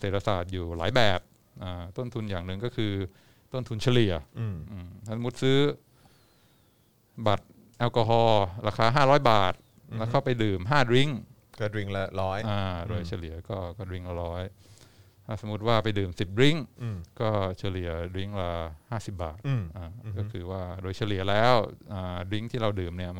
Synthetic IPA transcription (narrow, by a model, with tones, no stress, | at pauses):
se˨˩t̪̚ʰːa˧sa̰ː˨˩t̪̚juː˨˩la̰ː˩˦jbɛː˨˩p̚ | ʔaː˧˩t̪o˥˩nt̪ʰu˧njaː˨˩ŋnɯ˨ŋkɔː˥˩kʰɯː˧ | t̪o˥˩nt̪ʰu˧nt͡ɕʰa˧li˨˩ɐ˧ʔɯː˨˩mt̪ʰa˥˩sa˨˦mu˦˥t̪̚sɯː˦˥ | ba˨˩t̪̚ | ʔɛ˧wkɔː˧ɦɔː˧ɾaː˧kʰaː˧ɦaː˥˩ɾɔː˦˥jbaː˨˩t̪̚ | lɛː˦˥kʰa˥˩wpa˧jdɯː˨˩mɦaː˥˩ɾi˦˥˩ŋ | kːɾi˦˥ŋ˧lɔː˦˥jʔaː˧˩doː˧jt͡ɕʰa˧li˨˩˦ɐ˦kɔː˥˩kɔː˥˩ɾi˦˥ŋla˧˩ɾɔː˦˥j | t̪ʰaː˥˩sa˩˦m˦u˦˥t̪̚waː˥˩pa˧jdɯː˨˩msi˨˩p̚ɾi˦˥ŋkɔː˥˩t͡ɕʰa˧li˨˩ɐɾi˦˥ŋɾaː˧haː˥˩si˨˩p̚ba̰ː˨˩t̪ʔaː˧˩kɔː˥˩kʰɯː˧waː˥˩doː˧jt͡ɕʰa˧li˨˩ɐ˦lɛː˦˥wʔaː˨˩ɾi˦˥ŋt̪ʰiː˥˩ɾa˧wdɯː˨˩mni˥˩ɐ